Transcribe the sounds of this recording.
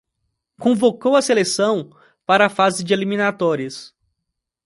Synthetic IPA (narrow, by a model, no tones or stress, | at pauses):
kõvokowɐselesɐ̃w̃ | paɾɐafazɪd͡ʒɪelimĩnat̪ɔɾiɐs